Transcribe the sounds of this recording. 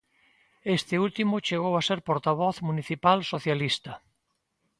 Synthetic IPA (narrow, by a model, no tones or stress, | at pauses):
est̪ɪult̪imʊt͡ʃeɣowaseɾpoɾt̪aβ̞ɔθmuniθipalsoθjalist̪ɐ